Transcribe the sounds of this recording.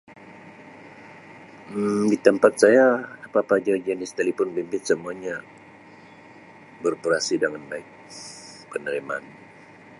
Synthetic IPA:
dit̪əmpat̪̚sajaapaːpaːd͡ʒad͡ʒanɪst̪alipʊnbimbɪt̪̚səmuaɲa | bərpəɾasidəŋanbaɪk̚pənəɾima̰n

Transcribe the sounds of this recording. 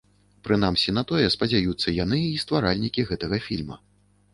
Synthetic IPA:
pɾɨnamsʲinɐt̪ɔjɛspɐd͡zʲajut̪sːɐjanɨist̪vaɾalʲnʲikʲiɣɛt̪ɐɣɐfʲḭlʲmɐ̰

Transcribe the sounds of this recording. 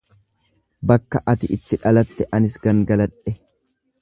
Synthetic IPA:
bɐkːɐʔɐt̪ɪʔɪt̪ːɪᶑɐlɐt̪ːɛʔɐnɪsɡɐŋɡɐlɐᶑɛ

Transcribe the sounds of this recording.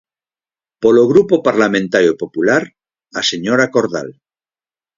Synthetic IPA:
poloɣ̞ɾupopaɾlamẽnt̪aɾjopopulaɾ | aseɲoɾakoɾða̰l

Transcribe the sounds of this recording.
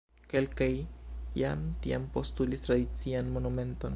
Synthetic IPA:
ke̞lkajja̰mtiampo̞stulistɾadit͡sianmo̞nume̞nto̞̰n

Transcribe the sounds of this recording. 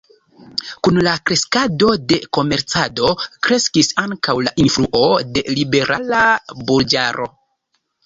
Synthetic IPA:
kunlakɾe̞skado̞de̞ko̞me̞ɾt͡sado̞kɾe̞skisaŋkawlaʔinfɾuʔo̞de̞libe̞ɾʔalabuld͡ʒaɾʔo̞̰

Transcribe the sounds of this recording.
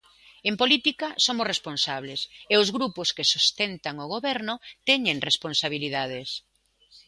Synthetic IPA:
empolit̪ikɐsomʊsresponsaβleseʊzɣɾupʊskesust̪ɛnt̪aŋoɣ̞oβɛɾnʊt̪ɛɲẽŋresponsaβiliðað̞es

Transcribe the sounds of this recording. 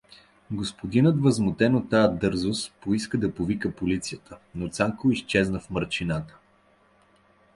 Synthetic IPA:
ɡospod̪inət̪vəzmot̪ɛnot̪ːajəd̪ɤɾzospoiskəd̪ɐpovikəpolit̪sijət̪ənot̪saŋkoist͡ʃɛznəfməɾt͡ʃinat̪ə̥

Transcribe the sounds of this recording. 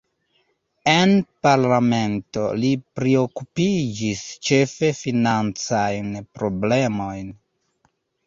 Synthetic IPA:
enpaɾlame̞nto̞̰lipɾeo̞kupid͡ʒist͡ʃe̞fe̞finant͡sajnpɾo̞ble̞mo̞jn

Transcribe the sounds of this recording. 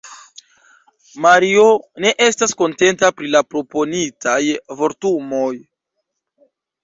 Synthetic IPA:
maɾio̞ne̞ʔe̞stasko̞nte̞ntapɾilapɾo̞po̞nitʰajvo̞ɾtumo̞j

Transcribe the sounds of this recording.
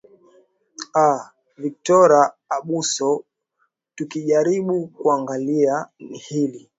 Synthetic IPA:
a | vik̚tɔɾaː | ɓusɔ | tukiʄaɾiɓukuaŋɡalianihili

